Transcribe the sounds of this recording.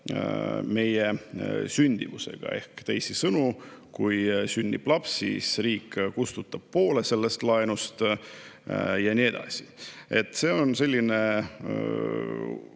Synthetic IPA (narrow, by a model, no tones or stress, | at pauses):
me̞jesynʲd̪̥ivuse̞̰ɡ̥ɑ̰e̞̰hkt̪æjsisɤnukujsynʲd̪ib̥lɑpsːḭsriːkːkust̪ut̪ːˑɑb̥̚po̞ːle̞se̞lːest̪lɑenust̪ | jɑnʲie̞d̪̥ɑ̰sie̞t̪ːˑse̞ːo̞nse̞lʲːine̞